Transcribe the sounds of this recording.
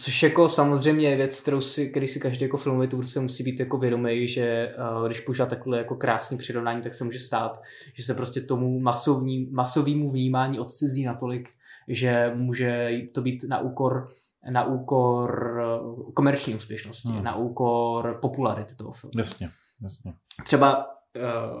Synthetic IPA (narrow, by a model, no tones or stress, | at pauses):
t͡soʃjako̞samozr̝ɛjmɲɛjɛvjɛt͡sk̚t̪ɛɾowsɪk̪ɛɾisɪkaʒdejakofɪlmovɛt̪uvɾsɛmusiːbiːt̪jakovjɛdo̞mɛjʒɛɡdɪʃpouʒilat̪akoidlɛjako̞kɾaːsɲiːpr̥ɪɾo̞vnaːɲiːt̪aksɛmuːʒɛst̪aːt̪ | ʒ̥ɛs̬ɛpɾo̞scɛt̪o̞mumasovɲiːmaso̞viːmuvɲiːmaːɲiːʔo̞t̪t͡sɛziːnat̪o̞lɪk | ʒɛmuːʒɛt̪ːo̞biːt̪na̰ʔuːko̞ɾ | naʔuːko̞ɾ | ko̞mɛɾt͡ʃɲiːuːspjɛʃnoscɪ̰na̰ʔuːko̞ɾpo̞pulaɾɪt̪ɪ̥t̪oɦo̰fɪ̰lmjasɲɛ | jasɲɛt̪r̥ɛba